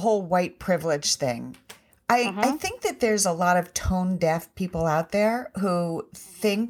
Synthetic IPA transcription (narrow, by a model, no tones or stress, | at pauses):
ɦoʊlˠwaɪt̚pʰɹ̥ɪvlɪd̥ʒ̥θɪ̰̃ŋ | ʔaɪaɪθɪ̃ŋk̚ðɨt̪̚ðə˞zəlɔɾʌv̥tʰõʊ̃ndɛθpʰipl̩ˠaʊt̪̚ðə˞ɦuθɪ̃ŋk